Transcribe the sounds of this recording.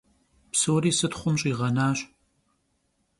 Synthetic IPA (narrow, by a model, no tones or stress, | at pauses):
psoːɾiːsɨtχʷʊmɕʼiːʁɐnaːɕ